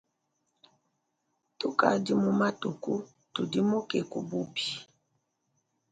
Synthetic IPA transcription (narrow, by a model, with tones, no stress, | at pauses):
tu˦ka̰˨di˦mu˦ma˦tu˨ku˦ | tu˨di˦mo˦ke˨ku˦bu˦bi˨